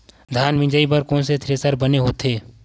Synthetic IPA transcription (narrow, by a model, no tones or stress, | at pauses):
d̪ʱaːnʋɪ̃d͡ʒəipəɾkɔ̃ːnset̪ʰɾeːsəɾbɐneɦoːt̪ʰeː